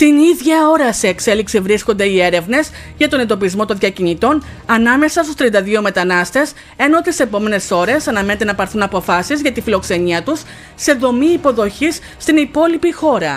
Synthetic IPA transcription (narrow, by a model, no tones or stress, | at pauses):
t̪iniðʝɐo̞ɾɐseːkse̞liksivɾisko̞nd̪e̞ie̞ɾe̞vne̞s | ʝɐt̪o̞ne̞nd̪o̞pizmo̞t̪o̞nðʝɐcinit̪o̞n | ɐnɐme̞sɐst̪ust̪ɾiɐnd̪ɐðio̞me̞t̪ɐnɐst̪e̞s | e̞no̞t̪ise̞po̞me̞ne̞so̞ɾe̞sɐnɐme̞ne̞t̪e̞nɐpɐɾθunɐpo̞fɐsizʝɐt̪ifilo̞kse̞niɐt̪usː | e̞ðo̞miːpo̞ðo̞çis | t̪inipo̞lipixo̞ɾɐ